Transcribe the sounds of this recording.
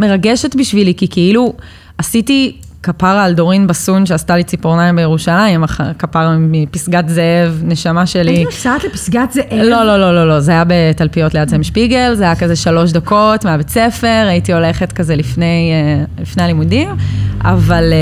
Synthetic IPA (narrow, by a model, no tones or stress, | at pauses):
me̞ʁaɡeʃetbiʃvilikikiilu | asiti | kapaʁaːldo̞ʁinbasunʃeastalit͡sipoʁnaimbejeʁuʃalaimaχkapaʁimipisɡatzeevne̞ʃamaʃe̞lit͡satlepi̥sɡat̪zeʔelo̞lo̞lo̞lo̞lo̞zeajabe̞talpijo̞tleadzemʃpiɡelzeajakazeʃalo̞ʃ̬dako̞tmeabet͡se̞fe̞ʁaitio̞le̞χe̞tkazelifne̞jlifne̞alimudima̰val